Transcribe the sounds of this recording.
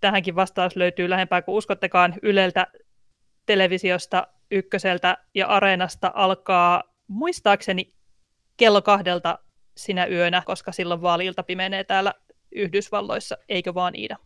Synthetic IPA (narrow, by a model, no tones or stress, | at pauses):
t̪æɦæŋkiʋʋɑst̪ɑːsløyt̪yːlæhe̞mpæːkuuskot̪ːekɑːnylelt̪æ | t̪e̞leʋisiost̪ɑ | ykːøselt̪æjɑ̰ʔɑɾeːnɑst̪ɑ̰ʔɑlkɑː | muist̪ɑːkse̞ni | kelːokɑhde̞lt̪ɑ | sinæʔyønækoskɑsilːoʋʋɑːliːlt̪ɑpimeneːt̪æːlːæ | yhdysʋɑlːo̰isːɑeikøʋɑːnʔḭːdæ